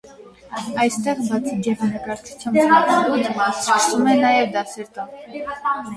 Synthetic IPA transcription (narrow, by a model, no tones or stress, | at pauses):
ɑjst̪ɛʁbɑt͡sʰid͡ʒɛvɑnɑkɑɾt͡sʰu̥t͡sʰjɑmb̪ɑlut͡sksumɛnɑjɛvd̪ɑsɛɾt̪ɔ